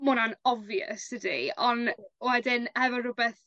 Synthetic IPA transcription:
mʊnanɔvjə̰sədḭɔnwɛdɪnhɛvɔrʊbɛθ

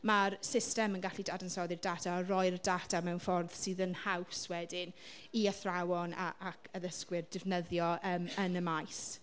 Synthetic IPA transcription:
maɾsɪstɛmənɡaɬidadənsɔðɪrdatʰaərɔjrdatʰamɛwnfɔrð̥sɨːðənhawswɛdɪn | iəθrawɔnaʔakʰəðəskwɪrdɪvnəðjɔʔəːmənəmajs

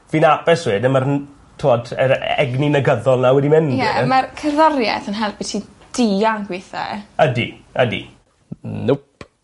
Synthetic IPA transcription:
viːnabɛsweːdəmarn | tʰoɔdəɾɛ̰ɡninəɡəðɔlˠnawɛdimɪnjɛmarkʰəðɔrjɛ̰θənɦɛlˠp̚bitʰi | d̥iaŋɡwɪθa̰ədḭədḭ | nʊp

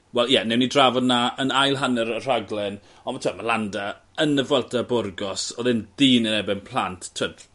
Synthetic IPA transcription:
wɛlˠjɛnɛwnidravɔdnaʔənajlˠɦanəɾər̥aɡlˠɛn | ɔnmatʰamalanda | ənəvəlˠtʰabʊrɡɔsɔðɪndiːnənɛbɪnpʰlˠantʰtʰːəd

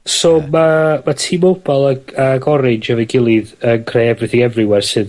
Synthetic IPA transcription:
sɔmamatʰiːmob̥ɔlˠaaɡɔɾɪnd͡ʒavɛɡɪlˠɪðənkʰr̥ejɛvrɨθɪɡɛvrɨwɛrsɨð

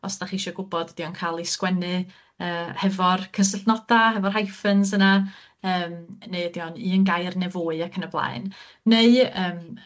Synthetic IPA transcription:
ɔsd̥aχiʃɔɡʊbɔdd̥iɔnkʰaːlˠiskwɛnɨ | əːhɛvɔrkʰəs̬əɬnɔd̥ahɛvɔrɦajfənsəna | əːmneɨədiɔniənɡajrnɛvoːɨakʰənəblˠa̰ɨn | neɨəːm

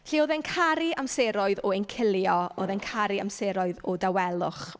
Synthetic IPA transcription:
ɬiːoːðɛnkʰaɾiʔamseɾɔɨðɔɛnkʰɪlˠjɔoðɛnkʰaɾia̰mseɾɔɨðɔdawɛlˠʊχ

